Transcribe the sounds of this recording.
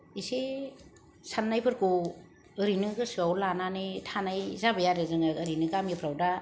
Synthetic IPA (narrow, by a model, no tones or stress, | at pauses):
ise | sanːajpʰɯɾku | ɯɾinɯɡɯsɯawlananetʰanajzabɯjaɾezɯŋaɯɾinɯɡamipʰɾawda